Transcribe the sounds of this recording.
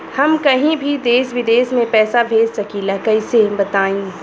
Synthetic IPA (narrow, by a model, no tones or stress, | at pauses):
hɐmkɐɦĩbʱid̪eːsʋɪd̪eːsmẽpɛːsabʱeːd͡ʒsɐkiːlakɐisebɐt̪aːĩː